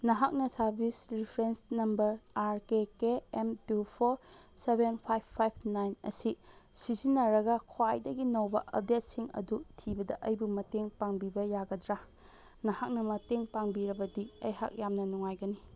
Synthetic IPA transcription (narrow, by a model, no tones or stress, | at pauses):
nɐɦak̚nɐsɐɾbʱisɾipʰɾensnɐmbɐɾaɾkekeemtupʰoɾsebenpʰajpʰːajpʰnajnɐ̰sisizinːɐɾɐɡɐkʰwajdɐɡinɐwbɐʔɐ̰b̚det̚siŋɐ̰dutʰibɐdɐʔɐjbumɐteŋpaŋbibɐjaɡɐdɾa | nɐhak̚nɐmɐteŋpaŋbiɾɐbɐdiɐjɦa̰k̚jamnɐnuŋajɡɐni